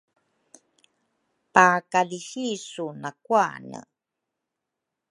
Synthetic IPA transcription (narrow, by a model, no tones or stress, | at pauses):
pakalixisunakuanə̰